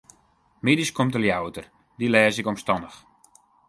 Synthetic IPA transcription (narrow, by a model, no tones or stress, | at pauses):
mediskomtəljawətər | dilɛːsɪkɔmstɔndəx